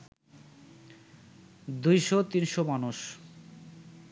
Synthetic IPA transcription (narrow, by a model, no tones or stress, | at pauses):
d̪ujʃot̪inʃomanuʃ